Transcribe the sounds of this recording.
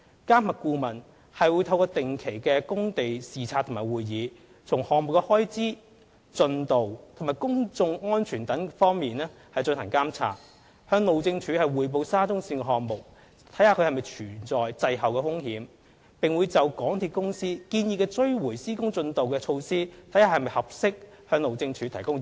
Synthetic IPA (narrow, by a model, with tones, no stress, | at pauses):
kaː˥mɐ˨˩t̚kuː˧mɐ˨˩n | hɐ˨jwu˨˧jt̪ʰɐ˧wkɔː˧t̪ɪ˨ŋkʰe˨˩jkɛː˧kʊ˥ŋt̪e˨jsiː˨˩t͡sʰaː˧t̪ʰːmaː˨˩jwuː˨jːiː˨˧ | t͡sʰʊ˨˩ŋhɔː˨ŋmo˨˩k̚ːɛ˧hɔː˥jt͡siː˥ | t͡sɵ˧nt̪o˨wt̪ʰmaː˨˩jkʊ˥ŋt͡sʊ˧ŋŋɔː˥nt͡ʃʰyː˨˩nt̪ɐ˨˥ŋfɔː˥ŋmiː˨nɛː˥ | hɐ˨jt͡sɵ˧nt̪ʰɐ˨˩ŋkaː˥mt͡sʰa̰ː˧˥t̚ | hœː˧ŋlo˨wt͡sɪ˧ŋt͡ʃʰyː˨˧˥hɐ˨jwuː˨jp̬o˧wsaː˥t͡sʊ˥ŋsiː˧nkɛ˧ɦɔː˨˩ŋmo˨k̚ | t̪ʰɐ˨˥jhaː˧kʰɵ˧hɐ˨jmɐ˨˩jt͡ʃʰyː˨˩nt͡sɔː˨jt͡sɐ˨jɦɐ˨wkɛː˧fʊ˥ŋhiː˨˥m | pɪ˨ŋwuː˨˧jt͡sɐ˨wkɔː˨˥ŋt̪ʰiː˧t̚kʊ˥ŋsiː˥kiː˧njiː˧kɛː˧t͡sɵ˥ɥwuː˨˩jsiː˥kʊ˥ŋt͡sɵ˧nt̪o˨wkɛː˧t͡ʃʰo˧wsiː˥t̪ʰjhaː˧hɐ˨jmɐ˨jhɐ˨p̚sɪ˥k̚ | hœː˧ŋlo˨wt͡sɪ˧ŋt͡ʃʰyː˨˧t̪ʰɐ˨˩jkʊ˥ŋ